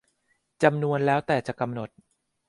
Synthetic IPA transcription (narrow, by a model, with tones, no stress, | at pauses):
t͡ɕa˧mnu˧ənlɛː˦˥wt̪ɛː˨˩t͡ɕa˨˩ka˧mno˨˩t̪̚